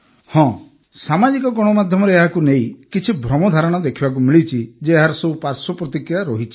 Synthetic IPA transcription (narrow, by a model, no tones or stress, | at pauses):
hɔ̃ | samad͡ʒikɔɡɔɽ̃ɔmad̪ʱjɔmɔɾeeɦakunejkit͡ʃʰibʱɾɔmɔd̪ʱaɾɔɽ̃ɔd̪ekʰibak̬umilit͡ʃʰid͡ʒeɦaɾɔseupaɾsɔpɾɔt̪ikɾjaɾɔɦit͡ʃʰi̥